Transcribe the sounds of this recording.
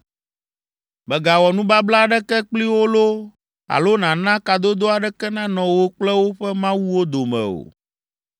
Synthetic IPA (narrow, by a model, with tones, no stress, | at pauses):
bɛ˨ɡa˨wɔ˨nũ˦ba˦bla˦ɖɛ˦kɛ˦k͡pli˦wo˦lo˦ | a̰˨lo˦nã˨nã˦ka˨d̪o˦d̪o˦a˨ɖɛ˦kɛ˦nã˦nɔ̃˨wo˦k͡plɛ˦wo˦ɸɛ˦mã˦wu˦wo˦d̪o˨mɛ̰̃˨o̰˨